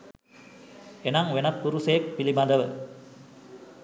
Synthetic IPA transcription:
enɐŋʋenɐpːuɾusɐjek̚pilimɐd̪ɐʋə

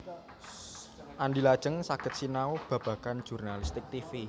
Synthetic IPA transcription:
ʔandilḁʒ̥əŋsakət̪̚sinaob̥a̤b̥a̤kan̥d͡ʒ̥urnalist̪ɪk̚t̪ifi

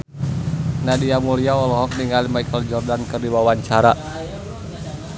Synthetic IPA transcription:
nadiamuliaɔlɔɦɔk̚niŋalimajkəld͡ʒɔrdankərdiwawaɲt͡ʃaɾa

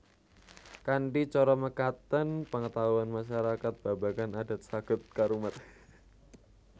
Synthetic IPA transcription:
kaɳɖit͡ʃɔɾɔməkat̪ənpəŋət̪aɦuanmaʃaɾakat̪̚b̥abakanadat̪̚sakʊt̪̚kaɾumat̪̚

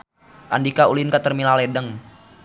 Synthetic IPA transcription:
ʔandikaulinkat̪ərmilalɛdəŋ

